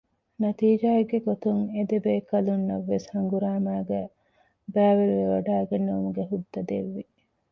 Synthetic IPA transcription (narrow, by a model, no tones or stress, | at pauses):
nɐt̪iːd͡ʒaːeɡːeɡot̪uŋed̪ebeːkɐlunːɐʋːeshɐŋɡuɾaːmaːɡæ | bæːʋeʋeʋɐɖaːɡenːoʋɐmuɡeɦud̪ːɐd̪eʋːi